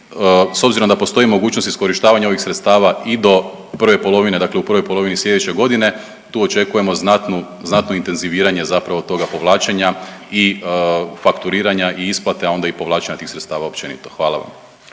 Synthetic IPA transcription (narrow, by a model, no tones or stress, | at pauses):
so̞bziɾo̞md̪apo̞st̪o̞imo̞ɡuːt͡ʃnost̪i̥sko̞ɾiʃt̪aːʋaɲao̞ʋixsɾe̞t̪st̪aːʋaid̪o̞ | pr̩ʋepo̞lˠo̞ʋine̞d̪akleupr̩ʋojpolo̞ʋinislʎʲe̞d̪et͡ɕe̞ɡo̞d̪ine̞ | t̪uːot͡ʃe̞kuje̞mo̞znat̪nu | znat̪no̞int̪enziʋiːɾaɲe̞zapɾaʋot̪o̞ɡapo̞ʋlˠaːt͡ʃeɲai | fakt̪uɾiːɾaɲaʔiisplˠat̪eao̞nd̪aipo̞ʋlaːt͡ʃeɲat̪iːxsɾet̪st̪aːʋaopt͡ʃe̞nḭt̪o̞̥xʋaːlˠa̰ʋa̰m